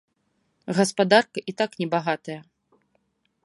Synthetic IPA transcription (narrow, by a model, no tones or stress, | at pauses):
ɣɐspad̪arkɐʔit̪aknʲɛbaɣat̪ɐjɐ